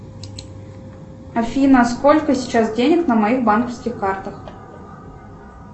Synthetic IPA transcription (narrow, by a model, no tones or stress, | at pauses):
ɐfʲinɐskɔlʲkɐsʲit͡ʃasd͡zʲenʲɐknɐmɐjixbankɐfskʲixkart̪ɐx